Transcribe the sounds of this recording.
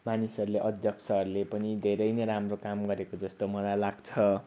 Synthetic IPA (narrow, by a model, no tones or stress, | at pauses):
manisʌɾuleʔʌd̪ʱjʌk̚t͡sʰʌɦʌɾulepʌnid̪ʱeɾʌjneɾamrokamɡʌɾekod͡zʌst̪omʌlajlaɡt͡sʰʌ